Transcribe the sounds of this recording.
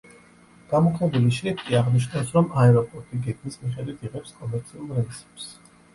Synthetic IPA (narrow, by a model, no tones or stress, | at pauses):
ɡ̥amɔkʰmɛbuliʃɾipʰkʼiaʁniʃ̬nawsɾɔmaɛɾɔpʼɔɾt̪ʼiɡɛɡmismiχɛd̪wit̪ʰiʁɛpskʼɔmɛɾt̪sʰiulˠɾɛlisɛ̥ps